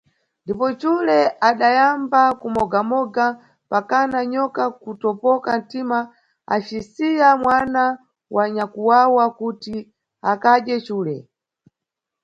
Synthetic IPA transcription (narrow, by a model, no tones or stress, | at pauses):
ndipɔt͡ʃulɛaɗajambakumɔɡamɔɡa | pakanaɲɔkakutɔpɔkan̩tima | a̰t͡ʃisijamwana | wʔaɲakuwawakuti | akaɗjɛt͡ʃuːlɛ